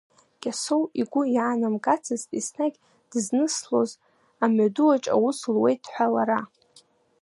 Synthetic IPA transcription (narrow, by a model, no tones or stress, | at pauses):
kʲʼasowiɡʷʊjaːnamkʼat͡sʰɨzisnaɡʲ | d̥ɨznɨslo̞̰z | amaduwaʈ͡ʂʼa̰wuslwejt̚ʼħʷᶣalaɾa